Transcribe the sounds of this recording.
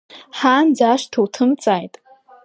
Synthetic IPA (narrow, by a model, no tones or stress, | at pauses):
ħaːnd͡zaːʂtʰowtʰɨmt͡sʼaːjtʼ